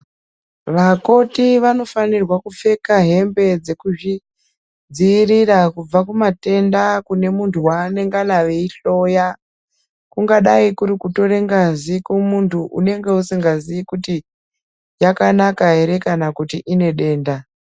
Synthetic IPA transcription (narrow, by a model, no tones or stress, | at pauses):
ʋako̞tiʋano̞fanirwakufe̞kaɦe̞mbe̞d͡ze̞kuʐi | d͡ziːrirakub͡vakumate̞ndakune̞muntʰuwane̞ŋɡanaʋe̞iɬo̞ja | kuŋɡaɗaikuɾikuto̞ɾe̞ŋɡazikumuntʰuʔṵne̞ŋɡe̞usiŋɡaziikuti | jakanakaɦe̞ɾe̞kanakutiʔine̞ɗe̞ːnda